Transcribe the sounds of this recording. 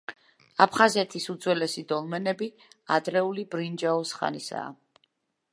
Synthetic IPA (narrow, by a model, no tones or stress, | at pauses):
apʰχazɛt̪ʰisud̪zwɛlɛsid̪ɔlˠmɛnɛbi | ad̪ɾɛulibɾind͡ʒaɔsχa̰nisa̰ː